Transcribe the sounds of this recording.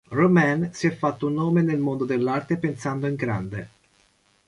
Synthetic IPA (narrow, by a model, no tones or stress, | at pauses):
romɛnsiɛfːat̪ːounːoːmenelmond̪od̪elːart̪epensand̪oiŋɡɾa̰nd̪ḛ